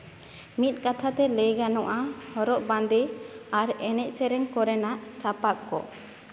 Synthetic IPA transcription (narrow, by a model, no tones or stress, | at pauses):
mit̪̚ˀkat̪ʰat̪ɛləjɡanɔʔahɔɾɔʔband̪ɛaɾɛnɛc̚sɛɾɛŋkɔɾɛnaʔsapak̪̚kɔ̰